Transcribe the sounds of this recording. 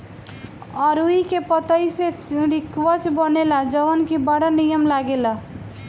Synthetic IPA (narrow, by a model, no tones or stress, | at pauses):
əɾuikepət̪əjseɾikʋət͡ʃbənelad͡ʒəʋənkibaɽənijəmlaɡela